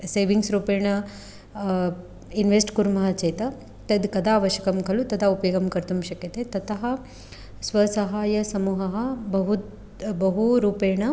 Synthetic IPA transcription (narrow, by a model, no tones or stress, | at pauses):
seːʋiŋɡsɾuːpeːɳɐ | inʋesʈkuɾmɐɦɐt͡ʃeːt̪ɐ | t̪ɐd̪kɐd̪aːʋɐʃjɐkɐmkɐlut̪ɐd̪aːupjoːɡɐmkɐɾt̪umʃɐkjɐt̪et̪ɐt̪ʰɐɦɐ | sʋɐsɐɦaːjɐsɐmuːɦɐɦɐbɐɦut | bɐɦuɾuːpeːɳɐ